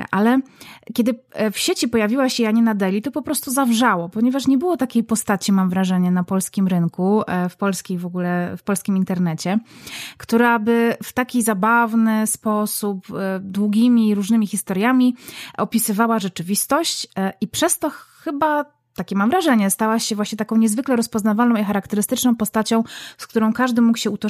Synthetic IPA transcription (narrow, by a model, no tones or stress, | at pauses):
ʔalɛkʲɛd̪ɘfɕet͡ɕipɔjavʲiwaɕɛaɲɛnad̪ɛlʲit̪ɔpɔpɾɔst̪uzavʐawɔpɔɲɛvaʂɲɛbɘwɔt̪akʲejpɔst̪at͡ɕimamvɾaʐɛɲɛnapɔlskʲimɾɘŋkufpɔlskʲejvɔɡulɛfpɔlskʲimint̪ɛɾnɛt͡ɕɛkt̪uɾabɘft̪akʲizabavnɘspɔsupd̪wuɡʲimʲiɾuʐnɘmʲixʲist̪ɔɾjamʲiɔpʲisɘvawaʐɛt͡ʂɘvʲist̪ɔɕt͡ɕʔipʂɛst̪ɔxɘba | t̪akʲɛmamvɾaʐɛɲɛst̪awaɕɛvwaɕɲɛt̪akɔ̃w̃ɲɛzvɘklɛɾɔspɔznavalnɔ̃w̃ixaɾakt̪ɛɾɘst̪ɘt͡ʂnɔ̃w̃pɔst̪at͡ɕɔ̃w̃skt̪uɾɔ̃w̃kaʐd̪ɘmukɕɛut̪ɔ